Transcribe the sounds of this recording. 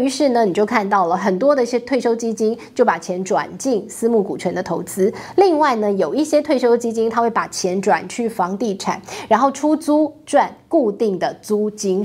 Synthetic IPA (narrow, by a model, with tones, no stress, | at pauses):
y˧˥ʂɻ̩˥˩nə˩ni˨˩t͡ɕjo˥˧ʊkʰa˥˧nt̪ɑ˥˩ʊlə˩xə˨˩nt̪wɔ˥d̪ə˧i˥˩ɕjɛ˥t̪ʰwe˥˩ɪʂo˥ʊt͡ɕi˥t͡ɕi˥nt͡ɕjo˥˩ʊpa˨˩t͡ɕʰjɛ˧˥nʈ͡ʂwa̰˨˩nt͡ɕi˥˩ŋsɹ̩˥mu˥˩ku˨˩t͡ɕʰɥɛ˧˦˥nd̪ə˧t̪ʰo˧˥ʊt͡sɹ̩˥li˥˧ŋwa˥˩ɪnə˩jo˨˩ʊi˥˩ɕjɛ˥t̪ʰwe˥˩ɪʂo˥ʊt͡ɕi˥t͡ɕi˥ŋt̪ʰa˥we˥˩ɪpa˨˩t͡ɕʰjɛ˧˥nʈ͡ʂwa̰˨˩nt͡ɕʰy˥˩fɑ˧˥ŋt̪i˥˩ʈ͡ʂʰa̰˨˦nɻa˧˥nxo˥˩ʊʈ͡ʂʰu˥t͡su˥ʈ͡ʂwa˥˧nku˥˧t̪i˥˩ŋd̪ə˩t͡su˥t͡ɕi˥n